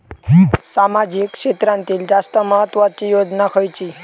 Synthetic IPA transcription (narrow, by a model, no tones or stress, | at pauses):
samad͡ʑikʂet̪ɾãnt̪iːld͡ʑast̪əməɦət̪ːʋat͡ɕijod͡ʑnakʰəjt͡ɕi